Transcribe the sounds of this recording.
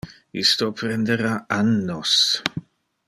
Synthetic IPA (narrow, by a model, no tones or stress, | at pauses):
ḭst̪opɾɛnd̪eɾaanːos